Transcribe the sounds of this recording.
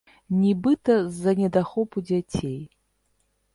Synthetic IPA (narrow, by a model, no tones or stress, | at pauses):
nʲibɨt̪ɐzːɐnʲɛd̪axɔpud͡zʲat͡sʲej